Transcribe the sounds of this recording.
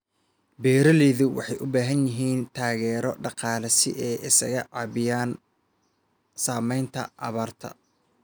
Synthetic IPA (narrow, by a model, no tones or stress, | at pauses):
bɛːɾɐlɛːðʊwɑ̰ħɑjʔʊbaːɦɐnjɪɦiːnt̪ʰaːɣɛːɾɔɖɑqɑːlɐsɪ̰ʔɛːʔɪsɐ̰ɣɐʕɑːβɪjaːn | saːmɛjnt̪ʰɐ̰ʔɑ̰βaːrt̪ʰɐ̰